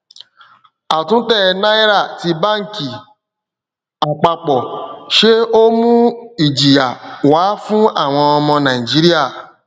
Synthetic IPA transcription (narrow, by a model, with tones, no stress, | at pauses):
a˨tũ˦tɛ˦˨˧nã˦i˦ɾa˦˨ti˧ba˦˨ŋ̩˨ki˨ | a˨k͡pa˧k͡pɔ˨ʃe˦o˦mũ˦i˨d͡ʒi˨ja˨waː˨˦fũ˦a˦˨w̃ɔ̃˧ɔ˧mɔ̃˧nã˨i˨d͡ʒi˦ɾi˦a˦˨